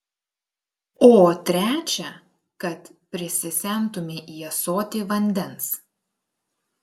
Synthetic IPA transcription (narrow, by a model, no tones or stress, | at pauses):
oːt̪ʲɾʲæːt͡ʃʲɛ | kɐt̪pʲɾʲɪsʲɪsʲɛˑnt̪ʊmʲɪʔiɛsoːt̪ʲɪʋɐnʲd̪ʲɛns